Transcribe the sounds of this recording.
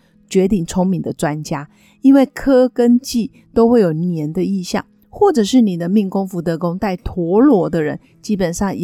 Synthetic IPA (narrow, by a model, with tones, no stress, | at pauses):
t͡ɕɥɛ˧˥t̪i˥˩ŋt͡sʰʊ˥ŋmi˨˥ŋd̪ə˨ʈ͡ʂwa˦nt͡ɕja˥ | i˥nwe˥˩ɪkʰɤ˥kə˦nt͡ɕi˥˩ | t̪o˥ʊxwe˥˩ɪjo˨˩ʊnjɛ˧˦nd̪ə˧i˥˧ɕjɑ̰˥˩ŋ | xwɔ˥˩ʈ͡ʂɤ˨˩ʂɻ̩˥˩ni˨˩d̪ə˦mi˥˩ŋkʊ˥ŋfu˧˥t̪̬ɤ˧˥kʊ˥ŋt̪a˥˩ɪt̪ʰwɔ˧˥lwɔ˧˥d̪ə˧ɻə̰˧˦n | t͡ɕi˥pə˨˩nʂɑ˥˩ŋ